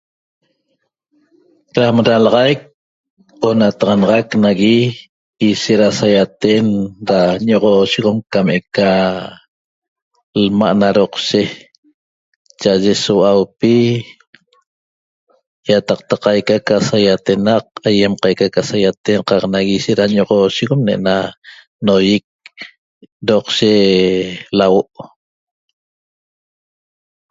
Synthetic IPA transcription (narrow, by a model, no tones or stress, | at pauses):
ɾamɾalɑʁɑjk̚ | onat̪ɑʁɑnɑʁɑknaɣi | iʃeʔɾasajat̪eʔnɾaɲoʁoʃiʁomkameka | lma̰ʔnaɾoqʃe | t͡ʃaʔaʒesowawpi | jat̪ɑq̚t̪aqɑjkakasajat̪e̞naqajemqajkakasajat̪enqɑqnaɣiʃeʔɾaɲoʁoːʃiɣomneʔna | nojik̚ | ɾoqʃe | lawoʔ